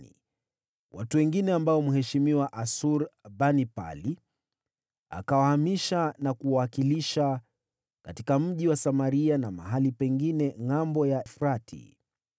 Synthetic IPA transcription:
ḭ | watuwɛŋɡinɛambaɔmuɦɛʃimiwaʔasuɾbanipa̰li | a̰kawahamiʃanakuwawakiliʃa | katikam̩ʄiwasamaɾianama̰ɦalipɛŋɡinɛŋambɔjafɾatʰḭ

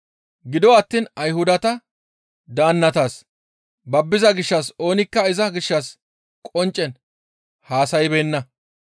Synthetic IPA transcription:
ɡɪd̪ɔɐt̪ːiːnɐjhʊd̪ɐt̪ɐ | d̪aːnːɐt̪aːs | bɐbːɪzɐɡɪʃːɐso̞ːnɪkːɐɪzɐɡɪʃːɐs | kʼɔnt͡ʃʼːɛn | haːsɐjɪbeːnːɐ

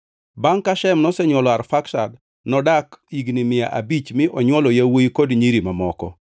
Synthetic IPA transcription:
baŋkaʃɛmnɔsɛɲwɔlɔaɾfaksa̰d | nɔdakiɡnimɪjaʔa̰bit͡ʃmɪʔɔɲwɔlɔjawoikodɲiɾimamɔkɔ̰

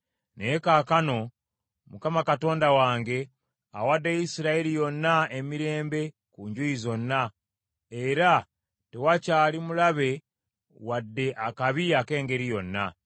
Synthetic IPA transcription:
neekaːkano̞ | mukamakato̞ːndawaːŋɡe̞ | awadːeisiɾaiɾijo̞nːaemiɾe̞ːmbe̞ | kuɲɟwuizo̞nːa | e̞ɾa | te̞wacaːlimulaβe̞ | wadːe̞ʔakaβiake̞ːŋɡe̞ɾijo̞nːa̰

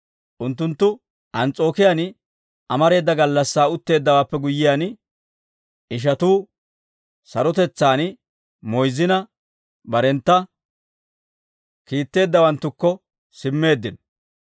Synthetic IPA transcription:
ʔʊnt̪̬ːʊnt̪ːʊ | ʔɐnt͡sʼo̞ːkɪjan | ʔɐmɐɾe̞ːd̪ːɐɡɐlːɐsːaːʊt̪ːe̞ːd̪ːɐwaːpːɛɡʊjːɪjaːn | ɪʃ̬ɐt̪uː | sɐɾɔt̪ɛt͡sːaːn | mɔjzɪnɐ | bɐɾɛnt̪ːɐ | kiːt̪ːe̞ːd̪ːɐwɐnt̪ːʊkːɔ | sɪmːe̞ːd̪ːɪn

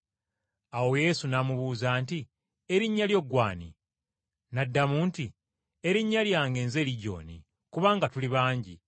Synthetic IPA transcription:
awo̞je̞ːsunamuβuːzaːnti | eɾiɲːaljo̞ɡwaːnḭ | nadːamuːnti | e̞ɾiɲːaljaːŋɡe̞ːnze̞ːliɟo̞̰ːnḭ | kuβaːŋɡatuliβaːɲɟḭ

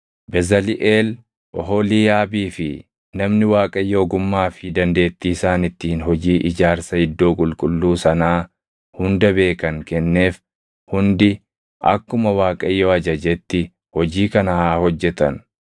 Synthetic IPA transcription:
bɛzɐlɪʔeːl | ʔɔɦoːliːjaːbiːfɪ | nɐmnɪwaːkʼɐjːo̞ːɡʊmːaːfɪd̪ɐnd̪e̞ːt̪ːiːsaːnɪt̪ːiːnhɔd͡ʒiːʔɪd͡ʒaːɾsɐhɪd̪ːo̞ːkʼʊlkʼʊlːuːsɐnaː | hʊnd̪ɐbe̞ːkɐŋkɛnːe̞ːf | hʊnd̪ɪ | ʔɐ̰kːʊmɐwaːkʼɐjːoːɐd͡ʒɐd͡ʒɛt̪ːɪ | hɔd͡ʒiːkɐnɐhaːhɔd͡ʒːɛt̪ɐn

